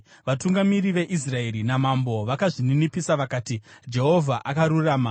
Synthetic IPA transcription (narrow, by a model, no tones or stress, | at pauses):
ʋatuŋɡamiɾiʋe̞ʔis̬rae̞ɾinamambo̞ʋakaʐininipisaʋakaːtid͡ʒe̞ɦo̞vʱaʔakaɾuraːma